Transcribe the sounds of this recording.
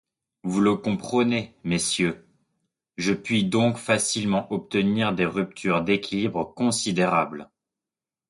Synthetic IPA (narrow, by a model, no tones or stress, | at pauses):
vuləkɔ̃pχənemesjø | ʒəpɥid̪ɔ̃kfasilmɑ̃ʔɔp̚t̪əniʁd̪eʁyp̚t̪ʰyʁd̪ekʲʰilibʁkɔ̃sid̪eʁabl